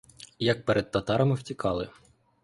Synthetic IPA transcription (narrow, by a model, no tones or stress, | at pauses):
jɐk̚peɾʔɛd̪̚t̪ɐt̪ɑɾɐmɪwtʲikʰɑlˠɪ